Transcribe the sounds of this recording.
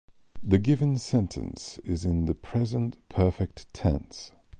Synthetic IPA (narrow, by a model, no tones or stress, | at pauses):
ðɨɡɪvə̃nsɛ̃ntʰə̰̃nsɪzɪ̃nðəpʰɹ̥ɛzə̃nʔpʰɜˑfɛk̚tʰɛ̰̃ns